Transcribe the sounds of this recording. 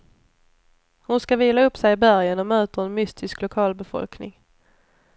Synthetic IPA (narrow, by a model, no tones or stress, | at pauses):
hʊnskaviːlaɵpːsɛjɪbæɾjənɔmøːt̪əɾɛnmʏst̪ʰɪsklʊkʰɑːlbɛfɔ̰lknɪ̰ŋ